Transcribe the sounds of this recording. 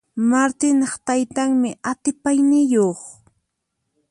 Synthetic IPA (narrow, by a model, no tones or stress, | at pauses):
maɾt̪ɪnɑχt̪ajt̪aŋmɪʔat̪ɪpajnɪjoχ